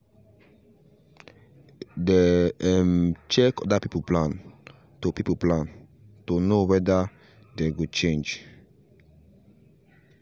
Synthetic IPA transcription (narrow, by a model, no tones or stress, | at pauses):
deɛmt͡ʃɛkɔdapipəplãn | tupipəplãn | tunowɛda | deɡut͡ʃẽnd͡ʒ